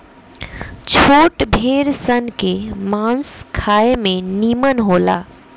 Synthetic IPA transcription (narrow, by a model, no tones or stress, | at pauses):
t͡ʃʰoːʈbʱeːɾsənkemãːnskʰaːemẽniːmənɦoːla̰ː